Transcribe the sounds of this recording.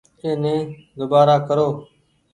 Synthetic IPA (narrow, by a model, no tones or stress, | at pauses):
eːnẽː | d̪ʊbaːɾaːkəɾoː